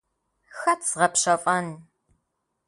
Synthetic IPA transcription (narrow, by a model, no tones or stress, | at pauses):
xɐt͡st͡sʁɐpɕɐfʼɐn